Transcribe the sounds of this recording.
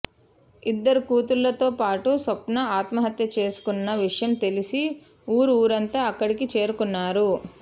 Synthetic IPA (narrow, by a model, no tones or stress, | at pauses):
id̪ːɐɾukuːt̪ulːɐt̪o̞ːpaːʈusɐpnɐaːt̪mɐɦɐt̪jɐt͡ʃe̞ːsu̥kunːɐʋiʂɐjɐmt̪e̞lisi | uːɾuuːɾɐnt̪aːɐkːɐɽikit͡ʃe̞ːɾukunːaːɾu